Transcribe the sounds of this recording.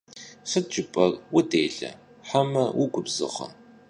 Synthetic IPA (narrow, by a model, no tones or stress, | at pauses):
səd͡ʒʼɪpʼɐrwʊdeːɮɐ̰ | ħamɐwʊɡʷʊbzɨ̰ʁɐ̰